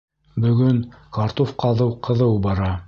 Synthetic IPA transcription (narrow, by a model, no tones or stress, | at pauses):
bɵ̆ɡɵŋkɑɾt̪ofqɑðɤwqɤ̆ðɤwbɑɾɑ